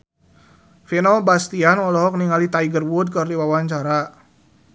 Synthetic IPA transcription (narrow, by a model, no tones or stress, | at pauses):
finɔbast̪ianwɔlɔɦɔk̚niŋalit̪aiɡərwud̚kərdiwawaɲt͡ʃaɾa